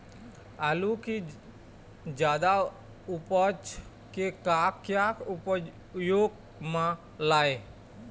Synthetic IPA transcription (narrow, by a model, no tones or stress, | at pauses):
aluki | d͡ʒjaːd̪a | ʊpət͡ʃ | kekaːkjakʊp | joːɡ | mã | laːe